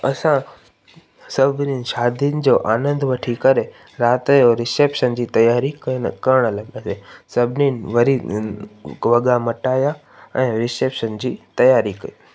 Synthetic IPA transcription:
ɐsã | sɐbʱninɪ̆ʃaːd̪ʱiənɪ̆d͡ʑoːʔaːnə̃nd̪ʋɐʈʰikɐɾe | ɾaːt̪joɾɪseːpʃənd͡ʑiːt̪ɐjaːɾikɐn̰kɐɾɽ̃lɐɠasesɐbʱɪninɪʋɐɾi | ʋɐɠamɐʈaːja | ɛ̃ːɾɪseːpʃənd͡ʑiːt̪ɐjaːɾikɐi

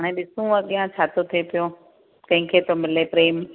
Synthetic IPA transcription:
aɽ̃ẽɓɪsũə̃ɠiːɦãt͡ɕʰaːt̪ot̪ʰepijõ | kɐ̃ɦɪ̃kʰeːt̪omɪlepɾeːm

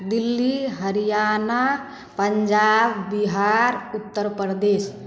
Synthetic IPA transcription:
d̪ilːiɦəɾijaːna | pəɲd͡ʒabːiɦaɾut̪ːəɾpɾd̪eːs

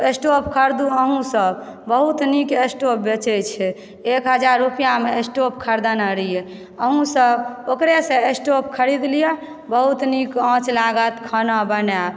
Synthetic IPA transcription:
esʈopkʰəɾd̪uəɦũsəbbəɦut̪nikesʈop̚bet͡ʃɛjt͡ʃʰɛ | ekɦəd͡ʒaɾːupijameesʈopkʰəɾd̪anaɾije | əɦũsəbokɾesẽesʈopkʰəɾid̪lije | bəɦut̪nikə̃t͡ʃlaɡət̪kʰənəbənɛ

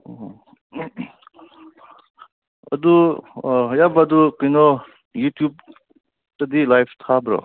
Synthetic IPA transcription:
ɐ̰d̪u | ɦjabad̪ukijnɔ | jutʰjub̚ | tɐdilajpʰt̪ʰabɾɔ̰

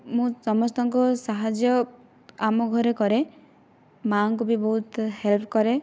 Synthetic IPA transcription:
mũsɔmɔst̪ɔŋkusaɦad͡ʒjɔ | amɔɡʱɔɾekɔɾe | maŋk̬ubibɔɦut̪helpʰkɔɾe

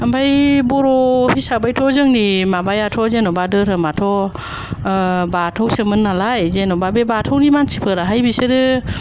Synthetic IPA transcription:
ambajbɔɾɔhisabajtʰɔzɯŋnimabajatʰɔzenɔbadɯɾɯmatʰɔ | batʰawsɯmɯnːalajzenɔbabebatʰɔwnimansʰipʰɯɾaɦajbisɯɾɯ

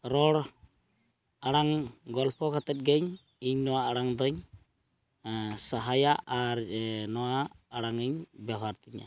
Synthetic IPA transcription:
ɾɔɽ | aɽaŋɡɔlpʰɔkʰat̪ɛt̪̚ɡɛɲ | iɲnɔwaːɽaŋd̪ɔɲ | saɦajaʔaɾnɔwaːɽaŋiɲbjaɦaɾt̪iɲa̰

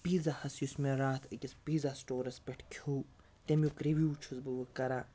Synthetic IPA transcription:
piːzahɐsjusmeɾaːt̪ʰɐkʲɐspiːzasʈoːɾɐspʲeʈʰkʲʰuw | t̪ʲemjukɾeʋʲjuːt͡ʃʰuzbɨʋɨkɐɾa

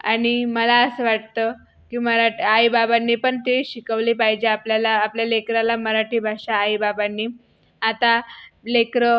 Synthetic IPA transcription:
a̰ɽ̃iməlaəsəʋaʈt̪ə | kiməɾaʈiaibabanːiːpəɳt̪eɕikəʋliːpaɦid͡ʑeapljalaːpljalekɾalaməɾaʈiːbʱaɕaːibabanːiː | at̪alekɾə

